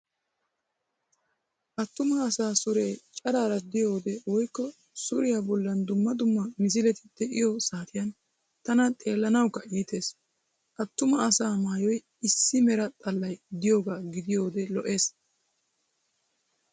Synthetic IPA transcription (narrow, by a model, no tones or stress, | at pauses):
ʔɐt̪ːʊmɐːsaːsʊɾe̞ːt͡ʃʼɐɾaːɾɐd̪ɪjo̞ːd̪ɛwɔjkːɔ | sʊɾɪjabɔlːɐnd̪ʊmːɐd̪ʊmːɐmɪs̬ɪlɛt̪ɪ̥d̪̥ɛʔɪjɔsaːt̪ʰɪjɐn | t̪ɐnɐt̪ʼe̞ːlːɐnɐwkːɐiːt̪e̞ːs | ʔɐt̪ːʊmɐːsaːmaːjɔj | ɪsːɪmɛɾɐt̪ʼɐlːɐjd̪ɪjoːɡaːɡɪd̪ɪjo̞ːd̪ɛlɔʔe̞ːs